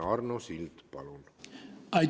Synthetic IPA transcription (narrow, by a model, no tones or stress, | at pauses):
ɑrnosild̪̥pɑlunaj